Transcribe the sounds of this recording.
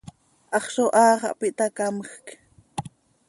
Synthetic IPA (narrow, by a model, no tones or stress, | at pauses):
ʔɑχʃoʔɑːχɑ̰ʔpɪʔt̪akaməxk